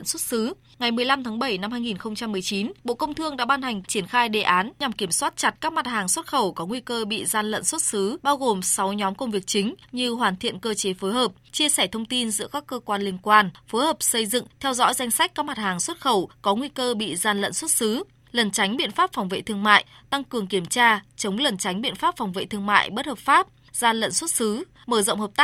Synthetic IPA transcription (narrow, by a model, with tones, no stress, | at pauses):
nswə˦˥t̚sɨ˨˦ | ŋa˨˩jmɨ˨˩əjla˧mt̪ʰaː˨˦ŋɓə˧˩jna˧mhaː˧jŋi˨˩nxə˧wŋ͡mt͡ɕa˧mːɨ˨˩əjt͡ɕi˨˦nɓo̰˧˨kə˧wŋ͡mt̪ʰɨ˧əŋɗa̰ː˧˥ɓaː˧nha˨˩ŋ̟t͡ɕi˧˩ənxaː˧jɗe˨˩ʔaː˨˦nɲa˨˩mki˧˩əmswaː˦˥t̚t͡ɕa˨˩t̚kaː˦˥k̚ma˨˩t̚haː˨˩ŋswə˦˥t̚xə˧˩wkɔ˨˦ŋwi˧kəː˧ɓḭ˧˨zaː˧nlə̰˧˨nswə˦˥t̚sɨ˨˦ɓaː˧wɣo˨˩msa˨˦wɲɔ˨˦mkə˧wŋ͡mvi˨˩ək̚t͡ɕï˨˦ŋ̟ɲɨ˧ɦwaː˨˩nt̪ʰḭ˧˨ənkəː˧t͡ɕe˨˦foː˨˦jɦəː˨˩p̚t͡ɕi˧əsɛː˧˩t̪ʰə˧wŋ͡mt̪i˧nzɨ̰˧˥əkaː˦˥kːəː˧kwaː˧nli˧əŋkwaː˧nfo˨˦jhəː˨˩p̚sə˧jzɨ̰˧˨ŋt̪ʰɛ˧wzɔ̰˧˥jza˧jŋ̟sa˦˥k̟̚kaː˦˥k̚ma˨˩t̚haː˨˩ŋswə˦˥t̚xə˧˩wkɔ˨˦ŋwi˧kəː˧ɓḭ˧˨zaː˧nlə̰˧˨nswə˦˥t̚sɨ˨˦ | lə˨˩nt͡ɕa˨˦jŋ̟ɓḭ˧˨ənfaː˦˥p̚fwŋ͡mvḛ˧˨t̪ʰɨ˧əŋma̰ː˧˨j | t̪a˧ŋkɨ˨˩əŋki˧˩əmt͡ɕaː˧t͡ɕə˨˦wŋ͡mlə˨˩nt͡ɕa˨˦jŋ̟ɓḭ˧˨ənfaː˦˥p̚fa˨˩wŋ͡mvḛ˧˨t̪ʰɨ˧əŋma̰ː˧˨jɓə˦˥t̚həː˨˩p̚faː˦˥p̚ | zaː˧nlə̰˧˨nswə˦˥t̚sɨ˨˦ | məː˧˩zə̰˧˨wŋ͡mhəː˨˩p̚t̪a˦